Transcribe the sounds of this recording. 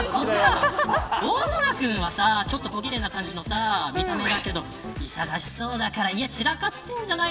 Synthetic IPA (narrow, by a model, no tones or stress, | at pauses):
ko̞t͡ɕːiɡa | oːsoɾakɯ̟̃ɰ̃βasat͡ɕo̞t̪ːo̞ko̞ɡʲiɾe̞nakãɲ̟d͡ʑino̞samʲit̪ame̞d̪ake̞d̪o̞ | isaɡaɕi̥so̞ːd̪akaɾaiat͡ɕiɾakat̪ːẽ̞ɲ̟d͡ʑana